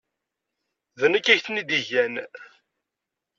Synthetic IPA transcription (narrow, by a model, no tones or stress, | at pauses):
ðənəkːæçθnid̪iʝæn